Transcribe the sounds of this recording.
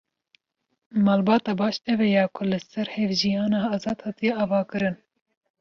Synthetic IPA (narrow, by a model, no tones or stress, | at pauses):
mɑːlbɑːt̪ɑːbɑːʃɛvɛjɑːkʰʊlɨsɛɾhɛvʒijɑːnɑːɑːzɑːd̪hɑːt̪ijɛɑːvɑːkɨɾɨn